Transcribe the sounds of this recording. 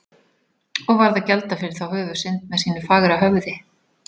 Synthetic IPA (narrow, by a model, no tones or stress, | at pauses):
ɔɣvaɾðacɛlt̪afɪɾɪɾ̥θawhʏːvʏ̥sɪnt̪mɛðsiːnʏfaːɣɾaɦœvðɪ